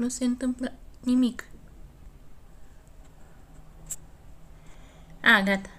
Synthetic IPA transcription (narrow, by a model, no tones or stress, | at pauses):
nusent̪əmpləʔnimik | aɡat̪